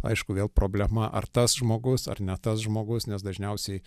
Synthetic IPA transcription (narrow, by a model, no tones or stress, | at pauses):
ɐ̰ɪʃkʊʋʲeːlˠpɾoːbʲlʲɛmɐʔɐ̰rt̪ɐsʒmoːɡʊsɐ̰rnʲɛt̪ɐsʒmoːɡʊsnʲɛsd̪ɐʒʲnʲɛʊsʲɛɪ